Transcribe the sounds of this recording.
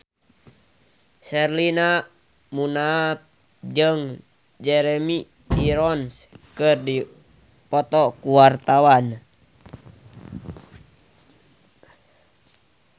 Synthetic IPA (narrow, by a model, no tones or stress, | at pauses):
sɛrlina | munap̚ | d͡ʒəŋ | d͡ʒɛɾɛmi | iɾɔnskɨrdi | pɔt̪ɔkuwart̪awan